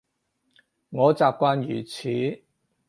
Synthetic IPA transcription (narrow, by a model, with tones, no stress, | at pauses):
ŋɔː˨˧t͡saː˨p̚kʷwaː˧njyː˨˩t͡sʰiː˨˥˦